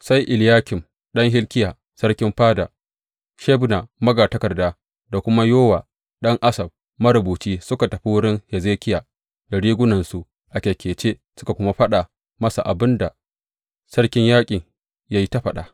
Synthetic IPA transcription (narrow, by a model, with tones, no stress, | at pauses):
sa˦jʔɪ˨ljaː˦kʲɪ˨m | ɗɐ˦ŋɦɪ˦lkʲɪ˦jaː˨ | sɐ˦rkʲɪ˦mɸaː˦daː˨ | ʃe˦bna˨mɐ˦ɡaː˨tɐ˦kɐ˨rdaː˦ | da˨kʷʊ˦ma˦joː˦waː˨ | ɗɐ˦ŋʔa˦sɐ˨b̚ | mɐ˦ɾʊ˨buː˨t͡ʃiː˦sʊ˦ka˨tɐ˨ɸi˦wʊ˦ɽɪ˦ŋhɛ˨zeː˦kʲɪ˦jaː˨ | da˨ɽiː˦ɡʷʊ˦nɐ˨nsu˨ | ʔa˨kʲe˨kʲeː˨t͡ʃeː˦sʊ˦ka˨kʷʊ˦ma˦ɸɐ˦ɗa˨ | mɐ˦sa˨ʔa˨bɪ˦nda˨ | sɐ˦rkʲɪ˦ɲjaː˦kʲʼɪ˨ŋ | ja˦ji˦ta˦ɸɐ˨ɗa̰˨